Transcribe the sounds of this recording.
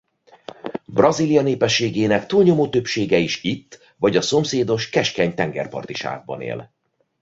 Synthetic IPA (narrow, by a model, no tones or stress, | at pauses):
brɒzilijɒneːpɛʃːeːɡeːnɛkt̪uːlɲo̞moːt̪øpʃeːɡɛiʃit̪ː | vɒɟɒso̞mseːd̪o̞ʃkɛʃkɛɲt̪ɛŋɡɛ̰rpɒ̰rt̪iʃa̰ːɡ̚bɒ̰nḛːl